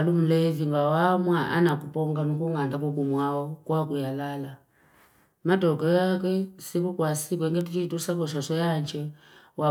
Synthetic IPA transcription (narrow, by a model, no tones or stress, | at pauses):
lum̩lɛviŋɡawamwaʔa̰nakupɔŋɡanukuŋɡandakukumwaɔkwakujalala | matɔkɔjakwɛsikukwasikuɛŋɡɛtut͡ʃitusakɔʃɔsɔjaɲt͡ʃɛ | wa